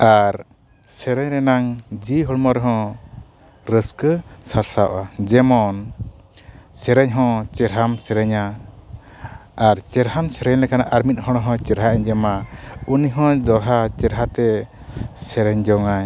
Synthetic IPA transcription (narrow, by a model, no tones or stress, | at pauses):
aɾ | sɛɾɛɲɾɛnaŋd͡ʒiɦɔɽmɔɾɛɦɔ̃ | ɾəskəsaɾsawʔad͡ʒɛmɔn | sɛɾɛɲɦɔ̃t͡ʃɛɾɦamsɛɾɛɲa | ɾt͡ʃɛɾɦamsɛɾɛɲlɛkanaʔaɾmit̪̚hɔɽ̃ɔɦɔ̃t͡ʃɛɾɦaɛɲd͡ʒɛmauniɦɔ̃d̪ɔɾɦat͡ʃɛɾɦat̪ɛ | sɛɾɛɲd͡ʒɔŋaɲ